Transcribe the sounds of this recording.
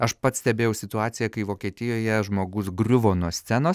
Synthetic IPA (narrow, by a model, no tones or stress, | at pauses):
ɐʃpɐt̪sʲt̪ʲɛbʲeːjɛʊsʲɪt̪ʊɑːt̪sʲɪjɛkɐɪʋoːkʲiɛt̪ʲɪjoːjɛʒmoːɡʊsɡɾʲʊʋoːnuɔsʲt̪sʲænoːs